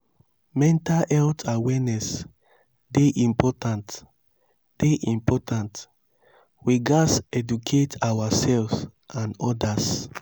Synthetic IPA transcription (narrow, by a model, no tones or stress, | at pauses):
mɛ̃ntalɛltʰawɛnɛs | deʔĩmpɔtãnt | d̥eʔĩmpɔtʰãnt | wiɡasɛdukʰetʰawasɛlvsãnɔdas